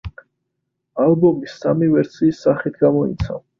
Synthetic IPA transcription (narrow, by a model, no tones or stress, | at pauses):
albɔmisːamivɛɾt̪sʰiːsːaχit̪ʰɡamɔḭt̪sʰa̰v